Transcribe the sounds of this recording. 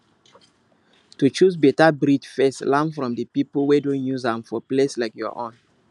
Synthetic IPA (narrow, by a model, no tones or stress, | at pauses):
tut͡ʃus̬bɛtabɾidfɛslãmfɹɔ̃mdəpiplwedõnjuzãmfɔpleslaɪkjɔ̰ʔõn